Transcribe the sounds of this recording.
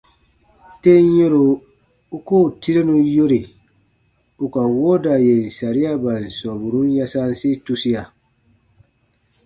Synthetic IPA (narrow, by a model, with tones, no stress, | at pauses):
te˦je˦ɾo˨ | u˦ko˦˨ti˦ɾe˦nũ˨jo˦ɾi˨ | u˨ka˨wo˦da˨je˨n̩˨sa˨ɾi˦a˦ba˨n̩˨sɔ˨bu˨ɾũ˦n˦ja˦sa˦n˦si˦tu˦si˦ja˨